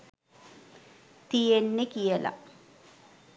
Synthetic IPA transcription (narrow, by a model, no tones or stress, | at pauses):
t̪ijenːekijəla̰